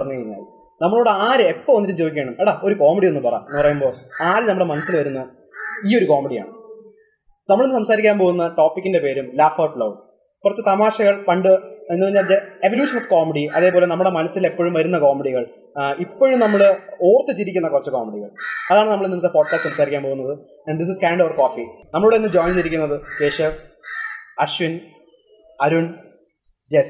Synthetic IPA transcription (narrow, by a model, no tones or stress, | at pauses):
ɐrɐɲːukɐɻiɲːa̰ːl | nɐmːɐɭoɽeaːɾɨe̞pːɐmonːiɾumd͡ʑoːikʲːeːɳɐmeɽɐo̞ɾuko̞ːmiɽie̞nːɨpɐra̰ːmenːɨprɐjumbo̞ːaːɾnɐmːuɽe̞mɐnɐsːilʋɐɾunːɐ | iːo̞ɾuko̞ːmiɽija̰ːɳɨ | nɐmːɐɭenɨsɐmsaːɾikʲːaːmpo̞ːɣunːɐʈo̞ːpːikʲːinde̞pe̞ːɾumlaːfɐːpɭɐʋ | kurɐt͡ɕːɨt̪ɐmaːɕɐɣɐɭpɐɳɖɨenːpɐriɲːaːld͡ʑeeʋoljuːʂɐnofkoːmiɽiɐ̰ðe̞ːpoːle̞nɐmːuɽe̞mɐnɐsːile̞pːoːɻumʋɐɾunːɐkoːmiɽiɣɐɭ | ipːoːɻumnɐmːɐɭo̞ːrt̪ːɨt͡ɕiɾikʲːunːɐkurɐt͡ɕːɨko̰ːmeɽiɣɐ̰ɭɐðaːɳɨnɐmɐɭenːinɐt̪ːepo̞ːɖ̚kaːsʈːsɐmsaːɾikʲːaːnpo̞ːɣunːɐðɨ | ɐɖd̪is̬iskɐjɳɖɐʋɐrko̞ːfinɐmɐɭuɽenːɨd͡ʑo̞ːjnt͡ɕiɾik̬ʲːunːɐðɨɕeːʂɐ | ɐɕʋin | ɐɾuɳ | d͡ʑes